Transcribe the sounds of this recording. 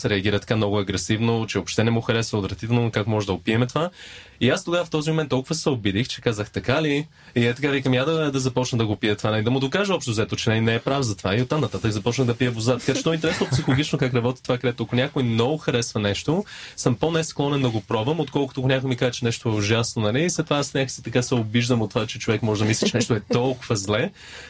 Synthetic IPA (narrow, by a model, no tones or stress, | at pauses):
sɛɾɛɐɡʲiɾət̪ɐ̥kamnɔɡʊɐɡɾɛsivnot͡ʃɛvopʃt̪ɛnɛmuxɐɾɛsvəod̪vɾɛɐt̪it̪ɛlˠnokakmɔʒɛd̪əɡopiɛmɛt̪ova | iast̪oɡavəft̪ɔzimomɛnt̪ːɔlˠkʊvəsɛobid̪ixt͡ʃɛ̥kazəxt̪ɐkali | iɛt̪ɐkavikəmjad̪ɐd̪ɐzɐpɔt͡ʃnəd̪ɐɡopiət̪vanɛlid̪ɐmʊd̪okaʒəɔpʃt̪ʊzɛt̪ot͡ʃɛnɛnɛɛpɾafzɐt̪vaiot̪ːamnɐt̪at̪əkzɐpɔt͡ʃnəxd̪ɐpiəbozat̪ɐ̥kat͡ʃɛ̥t̪ɔɛint̪ɛɾɛsnopsixolˠoɡit͡ʃnokakɾɐbɔt̪i̥t̪ovakɐɾɛt̪oɐkʊnʲjakojmnɔɡʊxɐɾɛsvɐnɛʃt̪osəmponɛsklˠɔnɛnd̪ɐɡopɾɔvɐmot̪̚kɔlˠkʊt̪oːkʊnʲakʊimikazɛt͡ʃɛnɛʃt̪oɛoʒasnonɐliːslɛt̪ovasnʲaki̥sɛt̪ɐkasɛobiʒd̪əmot̪ːovat͡ʃɛt͡ʃovɛkmɔʒɛd̪ɐmislʲɛt͡ʃɛnɛʃt̪oɛt̪ɔlˠkʊvəzlɛ